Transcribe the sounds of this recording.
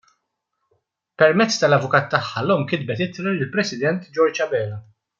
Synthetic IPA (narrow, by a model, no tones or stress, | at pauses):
pɛɾmɛt͡sːt̪ɐlɐvʊkɐːt̪ːɐħːɐlɔːmkɪd̪̚bɛt̪ɪt̪ɾɐlɪlpɾɛsɪd̪ɛnt̪d͡ʒɔɾd͡ʒɐbɛːlɐ